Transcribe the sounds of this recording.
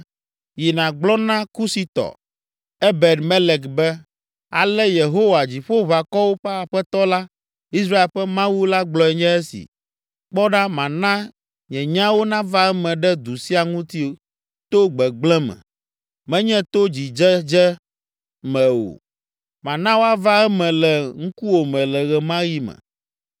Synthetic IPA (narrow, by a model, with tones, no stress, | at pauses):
ji˨nã˨ɡ͡blɔ˦nã˦ku˦si˨t̪ɔ̰˨ | ɛ˦bɛ˨t̪mɛ˦lɛ˨kbɛ˦ | a˨lɛ˦je˨ɦo˦wa˨d͡ʑi˨ɸo˦βa˨kɔ˦wo˦ɸɛ˦a˨ɸɛ˦t̪ɔ˦la˦ | i˦s̬ɾa˦e˨lɸɛ˦mã˦wu˦la˦ɡ͡blɔ˦ɛ˨ɲɛ̃˦ɛ˦sḭ˨ | k͡pɔ˦ɖã˦mã˨nã˦ | ɲɛ̃˨ɲã˦wo˦nã˦va˦ɛ˦mɛ̃˨ɖɛ˦d̪u˨si˦a˨ŋũ˦t̪i˦o˨ | t̪o˦ɡ͡bɛ˨ɡ͡blɛ̃˦mɛ̰̃˨ | mɛ̃˦ɲɛ̃˦t̪o˦d͡ʑi˨d͡ʒɛ˦d͡ʒɛ˦ | mɛ̃˨wo̰˨ | mã˨nã˦wo˦a˦va˦ɛ˦mɛ̃˨lɛ˨ŋ̩˦ku˦wo˨mɛ̃˨lɛ˨ɣɛ˨mã˦ji˦mɛ̰̃˨